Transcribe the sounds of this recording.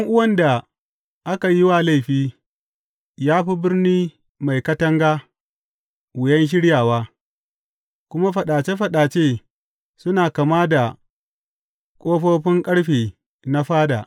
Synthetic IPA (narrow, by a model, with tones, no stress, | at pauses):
ɐ˦ŋʔʊ˦wɐ˦nda˨ | ʔa˦ka˨ji˦wa˦˨la˦jɸiː˦ | jaː˦ɸi˦bɪ˦rniː˦ | ma˨jkɐ˦tɐ˦ŋɡaː˦ | wʊ˨jɐ˦nʃ̬ɪ˦ɽjaː˨waː˦ | kʷʊ˦ma˦ɸɐ˨ɗaː˨t͡ʃe˦ɸɐ˨ɗaː˨t͡ʃeː˦˨ | sʊ˦naː˨ka˨maː˦da˨ | kʷʼoː˦ɸoː˦ɸɪ˦ŋkʼɐ˦ɽɸeː˨ | na˦ɸaː˦da̰ː˨ʔ